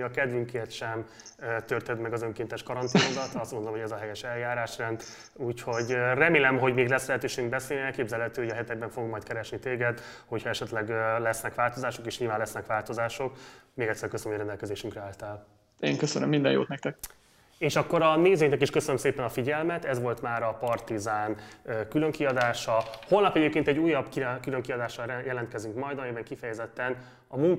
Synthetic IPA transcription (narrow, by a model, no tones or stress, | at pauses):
ɒkɛd̪vyŋkeːrt̪ʃɛm | t̪ørt̪ɛd̪mɛɡɒzøŋkeːnt̪ɛʃkɒɾɒnt̪ijod̪ɒt̪ɒst̪mond̪olomɦoɛzɒɦɛjɛʃɛljaːɾaːʃrɛnd̪ | uːcho̞ɟrɛmeːlɛmɦo̞ɟmeːɡlɛslɛɦɛt̪øːʃeːɡyŋ̚bɛseːliɛlkeːbzɛlhɛt̪yøːoɟɒɦɛt̪ɛɡ̚bɛɱfoɡɡmːɒjt̪̚kɛɾɛʃnit̪eːɡɛd̪ | ho̞chɒɛʃɛt̪lɛɡlɛsnɛkʋaːlt̪o̞zaːʃo̞keːʃɲilvaːnlɛsnɛkʋaːlt̪o̞zaːʃo̞kmeːɡɛcʲsːɛrkøsənmojɾɛnd̪ɛlkɛzeːʃyŋkrɛaːlt̪ɛl | eːŋkøsønə̰mːind̪ɛ̰jo̰ːt̪nɛk̚t̪ɛk̚ | eːʃɒkːo̞ɾɒneːzøːknɛkiʃkøsønømseːpɛnɒfiɟɛlmɛt̪ɛzʋo̞lt̪maːɾɒpɒrt̪izaːnøːkylø̞ŋkiɒd̪aːʃɒholnɒpɛɟeːpkeːnt̪ɛɟːuːjːɒbkikyløŋkiɒd̪aːʃɒjɛlɛnt̪kɛzyŋkmɒjd̪ɒjɛbɛŋkifɛjɛzɛt̪ːɛn | ɒmuŋ